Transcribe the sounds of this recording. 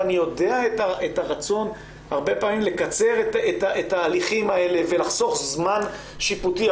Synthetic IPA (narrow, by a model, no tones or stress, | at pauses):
anijode̞aetaetaʁat͡so̞n | haʁbe̞paːmimle̞kat͡se̞ʁetetaetaːliχimae̞leve̞laχso̞χzman | ʃiputi